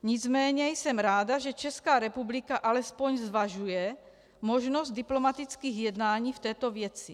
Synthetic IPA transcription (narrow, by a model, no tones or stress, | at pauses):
ɲɪd͡zmɛːɲɛjsɛmɾaːdaʒɛt͡ʃɛskaːɾɛpublikaʔalɛspo̞ɲzvaʒujɛ | moʒnozt̪̚d̪iplo̞mat̪it͡skiːɣjɛd̪naːɲiːft̪ɛːt̪ovjɛt͡si